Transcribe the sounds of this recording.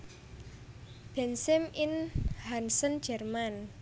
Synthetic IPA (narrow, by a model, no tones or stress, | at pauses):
b̥ɛnsɪmɪnhansən̥d͡ʒɛrman